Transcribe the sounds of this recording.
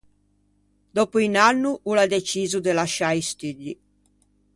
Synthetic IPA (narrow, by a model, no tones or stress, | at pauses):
d̪oːpuinanːuʔulad̪et͡ʃiːzud̪elaʃaist̪yʎːi